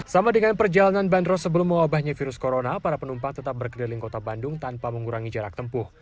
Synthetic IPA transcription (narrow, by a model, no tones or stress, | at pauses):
samadəŋanpərd͡ʒalananbandrɔsəbəlʊmːəŋwabahɲafiɾʊskoɾonapaɾapənumpaŋt̪ət̪ap̚bərkərdaliŋkot̪abandʊŋt̪anpaməŋuɾaŋid͡ʒaɾak̚t̪əmpʊh